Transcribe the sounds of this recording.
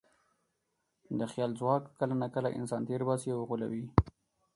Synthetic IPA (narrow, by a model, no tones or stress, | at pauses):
d̪əxjɑlzwɑkːəlanakəlaʔɪ̰nsɑnt̪eɾbɑsiawɣula̰wi